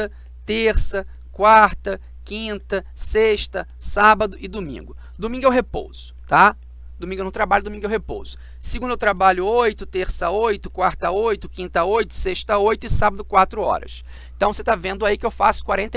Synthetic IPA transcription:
ɐ | t̪eɾsɐ | kwaɾt̪ɐ | kĩnt̪ɐ | seʃt̪ɐ | sabɐd̪ʊɪd̪omḭ̃ŋɡʊ | d̪omĩŋɡʊewɦepo̰wz̥ʊ̥t̪a | d̪omĩɡewnɐ̃t̪ɾabaʎʊd̪omĩŋɡʊewɦepo̰wz̥ʊ | siɡũnd̪ewt̪ɾabaʎʊojt̪ʊt̪eɾsɐojt̪ʊkwaɾt̪ɐojt̪ʊkĩnt̪aojt̪ʊ̥seʃt̪ɐojt̪ʊɪsabɐd̪ʊkwat̪ɾʊɔ̰ɾɐ̰ʃ | ẽnt̪ɐ̃w̃set̪avẽnd̪ʊaikɪewfa̰sʊ̥kwaɾẽnt̪ɐ

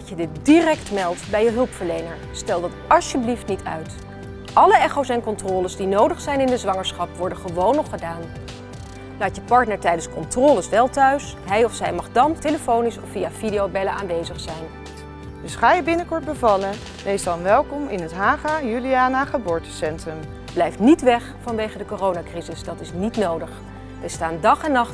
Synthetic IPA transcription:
dədɪt̚dirɛktmɛlˠtbɛjəɦɵlˠpfəɹlejnəɹ | stɛlˠdɑtɑʃjəbliftnitʰœ̰ɥt | ʔɑləɛχowsɛnkɔntrɔːləzdinowdəχsɛjnɪndəzʋɑŋəɹsχɑpʋɔɹdəχəʋownɔχədaːn | laːtjəpɑɹtnəɹtɛjdənskɔntrɔːləsʋɛlˠtœɥs | ɦɛjɔfsɛjmɑχdɑnteləfownisɔfːijavidijowbɛləaːnʋejzəχsɛjn | dɵsχaːjəbɪnəkɔɹt̚bəvɑlə | ʋejsdɑnʋɛlˠkɔmɪ̰nətɦaːχajyliaːnaχəbʊːɹtə̥sɛntrəm | blɛjftnitʋɛχfɑnʋejχədəkorownakrizɪsdɑtɪsnitnowdəχ | ʋɛstaːndɑχɛnːɑχt

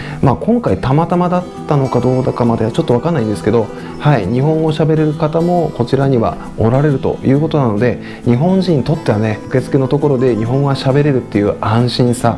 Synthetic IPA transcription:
maːkõ̞ŋkait̪amat̪amad̪at̪ːano̞kad̪o̞ːd̪akamad̪et͡ɕo̞t̪ːo̞βakanːaĩnd̪esɨ̥ke̞d̪o̞ | haiɲ̟iɦõ̞ŋ̃o̞ɕabe̞ɾe̞ɾɯ̟kat̪amo̞ko̞t͡ɕiɾaɲ̟iβa̰ | o̞ɾaɾe̞ɾɯ̟t̪o̞̰jɯ̟ːko̞t̪o̞nano̞d̪e̞ | ɲ̟iɦõ̞ɲ̟d͡ʑĩɲ̟ːt̪o̞t̪ːe̞βane̞ɯ̟ke̞t͡sɨ̥ke̞no̞t̪o̞ko̞ɾo̞d̪e̞ɲiɦõ̞ɰ̃ɡaɕabe̞ɾe̞ɾɯ̟t̪ːe̞jɯ̟ːãɰ̃ɕĩɰ̃sa

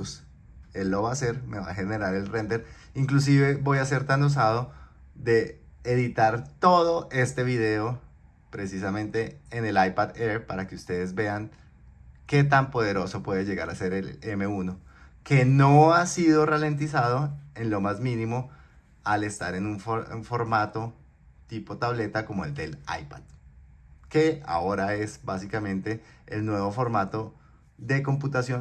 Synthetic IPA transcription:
s | elːo̞βase̞ɾme̞βa̰xe̞ne̞ɾaɾe̞lrend̪eɾ | iŋklus̬iβe̞bo̞jase̞ɾt̪ano̞s̬aðo̞ | ðe̞ːðit̪aɾt̪o̞ðo̞ʔe̞st̪e̞βiðe̞o | pɾe̞sisamẽ̞nt̪e̞ːne̞lajpaðeɾpaɾake̞ust̪e̞ðe̞zbe̞aŋ | ke̞t̪ampo̞ð̞e̞ɾo̞so̞pwe̞ðe̞ʝe̞ɣaɾase̞ɾelemeuno̞ | ke̞no̞asiðo̞rale̞nt̪̬isaðoe̞nlo̞mazmĩnimo | ale̞st̪aɾe̞nuɱfoɱfo̞ɾmat̪o̞ | t̪ipo̞t̪aβle̞t̪ako̞moe̞ld̪e̞la̰jpað̥ | ke̞a̰o̞ɾae̞sbasikamẽ̞nt̪e̞̰ː | lnwe̞βo̞fo̞ɾmat̪o̞ | ðe̞ko̞mp̬ut̪asjo

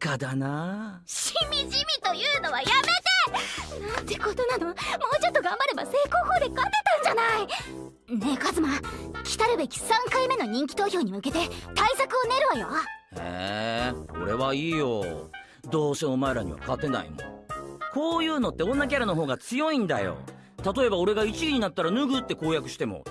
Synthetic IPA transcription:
kad̪ana | ɕimʲiʑimʲit̪o̞jɯːno̞βajame̞t̪e̞nãnt̪e̞kot̪o̞nano̞moːt͡ɕot̪ːo̞ɡãmbaɾe̞base̞ːko̞ːhoːd̪e̞kat̪e̞t̪ãɲd͡ʑanai | nekazɨmakʲi̥t̪aɾɯ̟be̞kʲi̥sãŋkaime̞no̞ɲ̟ĩŋkʲi̥t̪o̞ːço̞ːɲ̟imɯ̟ke̞t̪e̞t̪aisakɯ̟o̞ne̞ɾɯ̟βajohḛː | o̞̰ɾe̞βaiːjo̞̰ | d̪o̞ːseo̞maeɾaɲ̟ḭβa̰kat̪e̞na̰ḭmo̰ko̞ːjɯ̟ːno̞t̪ːe̞õ̞nːak̬ʲaɾanoɦo̞ːɡat͡sɨjo̞ĩnd̪a̰jo̞̰ | t̪at̪o̞e̞bao̞ɾe̞ɡait͡ɕiiɲ̟inat̪ːaɾanɯɡɯt̪ːe̞ko̞ːjakɯ̟ɕi̥t̪e̞mo̞̰

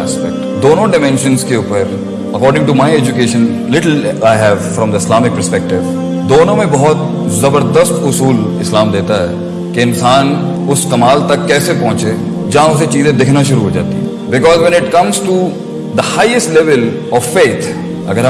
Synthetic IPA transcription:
spɛk̚ʈd̪oːnõɖɪmɛ̃nʃə̃nskeʊpəɾ | əkɔːɾɖɪ̃ŋʈumaɪɛd͡ʒʊkeːʃə̃n | lɪʈəl̩aɪɦɛʋfɾɔ̃md̪əɪslaːmɪk̚pəɾspɛk̚ʈɪʋ | d̪oːnõmẽbɔɦɔt̪ | zɐbəɾd̪əst̪ʊsuːlɪslaːmd̪eːt̪aɦɛ̰ | keɪnsaːn | ʊskɐmaːlt̪ɐkːɛːsepɔ̃ːt͡ʃe | d͡ʒãːʊset͡ʃiːzẽd̪ɪkʰnaʃʊɾuɦoːd͡ʒa̰ːt̪ḭɛ | bɪkɔːzʋɛ̃nɪʈkɐ̃mzʈu | d̪əhaːɪəsʈlɛʋəl | ɔʋfeːt̪ʰ | ɐ̰ɡəɾ

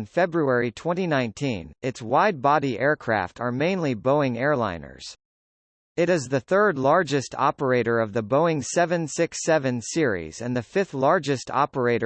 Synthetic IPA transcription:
nfɛbɹuɛɹitʰw̥ɛ̃ñinãɪ̃ntʰĩnɨtswaɪd̚bɑɾiʔɛɹkʰɹ̥æ̰ftʰə˞mẽɪ̃nliboʊɪ̃ŋɛɹlã̰ɪ̃nə̰˞z̥ | ɨɾɨzðɨθɜ˞dˡlɑɹd͡ʒɨstʰɑ̰pə˞eɪɾə˞ʌvðɨboʊɪ̃ŋsɛvɨ̃nsɪksɛvɨ̃nsɪɹḭz̥ɨ̃nðɨfɪθlɑɹd͡ʒɨstʰɑ̰pə˞eɪɾə

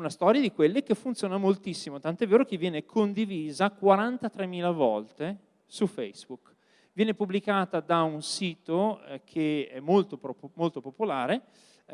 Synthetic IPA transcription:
unast̪ɔːɾjad̪ikwelːek̟efːunt̪joːnamolt̪isːimot̪ant̪oɛvːeːɾok̟evːjɛːnekʰond̪iviːzakwaɾant̪at̪ɾemːiːlavɔlt̪e | sufɛ̰jzbuk | vjɛːnepubːlikaːt̪ad̪aunsiːt̪okʰeɛ̰mːolt̪opmolt̪opopolaːɾe

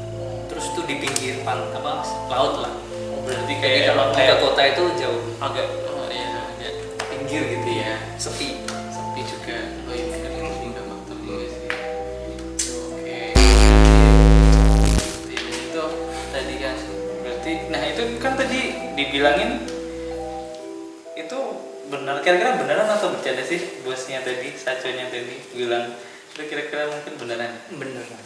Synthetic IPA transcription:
o | t̪əɾʊst̪udipiŋɡɪrpankamaslaʊt̪la̰h | bəɾart̪ikajaɡamaŋkajakot̪ait̪ud͡ʒaʊhaɡaʔjaːɡaʔ | piŋɡɪrɡit̪uja | səpi | səpid͡ʒuɡa | loinkaaiŋdamat̪əiasi | oke | bai | bət̪iit̪u | t̪adikan | bəɾart̪inahit̪ukant̪adidibilaŋɪn | it̪u | bənərkaɾakiɾabənəɾanat̪abət͡ʃadasɪhbuasɲat̪adisat͡ʃaɲat̪adibilaŋ | sudakiɾakiɾamuŋkɪnbənəranbənər

